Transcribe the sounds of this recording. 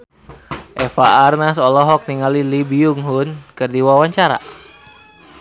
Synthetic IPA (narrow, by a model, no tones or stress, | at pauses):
ʔɛfaarnasɔlɔɦɔk̚niŋalilibiuŋɦunkɨrdiwawaɲt͡ʃaɾa̰